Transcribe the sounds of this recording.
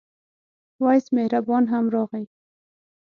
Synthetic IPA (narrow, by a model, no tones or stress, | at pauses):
wɑjsmehɾabɑnɦamɾɑɣaj